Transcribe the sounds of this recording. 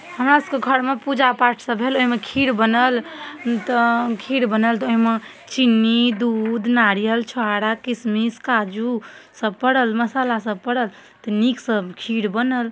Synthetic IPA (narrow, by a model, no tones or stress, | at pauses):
həmɾasəkeɡʱəɾmepud͡ʒapaʈʰsəbɦeloɦimekʰiɽbənəlt̪əkʰiɽbənəlt̪oɦime | t͡ʃinːid̪ud̪naɾijəlt͡ʃʰoaɽakismiskad͡ʒu | səb̚pəɽəlməsalasəb̚pəɽəl | t̪əniksəbkʰiɽbənəl